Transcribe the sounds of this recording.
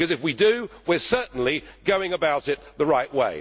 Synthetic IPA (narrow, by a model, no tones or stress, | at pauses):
kʌzɨfwidɨwɪɹsɜ˞ʔn̩liɡ̥oʊɪ̃ŋɨbaʊɾɪt̪̚ðəɹaɪʔweɪ